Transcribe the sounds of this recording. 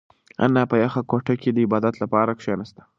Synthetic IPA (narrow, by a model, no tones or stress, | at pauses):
a̰nːɑpəjaxakoʈaked̪əɪbɑd̪at̪lapɑɾakʂenast̪ḁ